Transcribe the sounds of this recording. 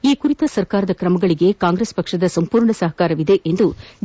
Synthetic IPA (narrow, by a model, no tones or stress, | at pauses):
iːkuɾit̪ɐsɐɾkaːɾɐd̪ɐkɾɐmɐɡɐɭiɡe̞kaːŋɡɾespɐkʂɐd̪ɐsɐmpuːɾɳɐsɐɦɐkaːɾɐʋid̪e̞ʔend̪u